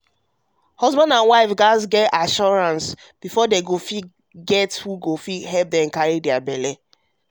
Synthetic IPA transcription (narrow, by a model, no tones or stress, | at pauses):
hɔzbãndãnwaɪfɡazɡɛtaʃɔɹãns | b̥ifɔdeɡofi | ɡɛthuɡofiɦɛlp̚dɛ̃mkaɹidɛabɛlɛ